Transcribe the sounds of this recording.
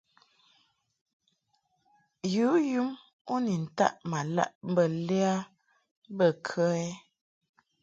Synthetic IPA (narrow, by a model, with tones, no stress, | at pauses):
ju˨˦ju˦m | o˦ni˨n̩˨ta̰˦˨ʔma˨la̰˦ʔm̩˦bə˨lɛ˦a˦ | bə˦˨kʰə˦ɛ˦